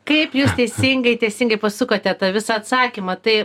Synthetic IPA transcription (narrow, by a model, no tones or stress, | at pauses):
kɐɪpjuːst̪ʲɛɪsʲɪŋɡɐɪt̪ʲɛɪsʲɪŋɡɐɪpɐsʊkoːt̪ʲɛt̪ɐʋʲɪsɐɐt̪sɑːkʲimɐt̪ɐɪ